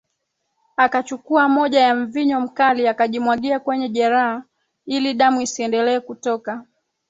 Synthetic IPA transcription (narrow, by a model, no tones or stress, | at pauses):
akat͡ʃukuamɔʄajaɱ̩viɲɔm̩kaliakaʄimwaɠiakwɛɲɛʄɛɾaha | iliɗamuisiɛndɛlɛːkutɔka